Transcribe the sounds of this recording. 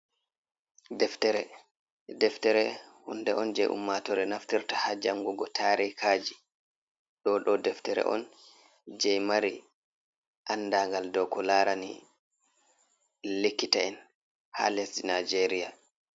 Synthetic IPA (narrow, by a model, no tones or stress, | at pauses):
dɛftɛɾɛ | dɛftɛɾɛhundɛʔɔnd͡ʒɛjʔṵmːatɔɾɛnaftiɾtahad͡ʒaŋɡuɡɔtʰaːɾikʰaːd͡ʒi | ɗɔɗɔdɛftɛɾɛ̰ʔɔ̰n | d͡ʒɛjmaɾi | ʔanːdaŋɡaldɔkɔlaːɾanḭ | lekːitaɛn | ha̰lɛsdinad͡ʒeɾia